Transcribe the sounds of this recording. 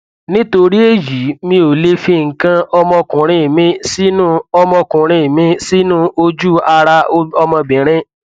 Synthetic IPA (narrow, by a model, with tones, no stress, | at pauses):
nĩ˦to˧ɾi˦e˦˨ji˨˦mĩ˧˦o˨le˦fi˧ŋ̩˨kã˧ɔ˧mɔ̃˧kũ˨ɾ̃ĩ˦˨mĩ˦si˦nũ˦ɔ˧mɔ̃˧kũ˨ɾ̃ĩ˧˦˨mĩ˦si˦nũ˦ʔo˧d͡ʒu˦a˧ɾa˧o˦ɔ˧mɔ̃˧bĩ˨ɾ̃ĩ˦